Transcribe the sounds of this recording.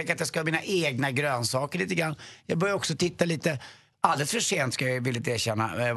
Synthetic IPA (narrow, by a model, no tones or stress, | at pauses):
ɛkɾat̪̚d̪ɛskahɑːmiːnaʔeːɡnaɡɾøːnsɑːkəɭiːt̪əɡɾanːjɑːɡbœɾjaɾɔksɔt̪ʰɪt̪ːaliːt̪ə | ald̪ɛlsfœʂeːnt̪skajavɪlːɪt̪eːɾɕɛnːa̰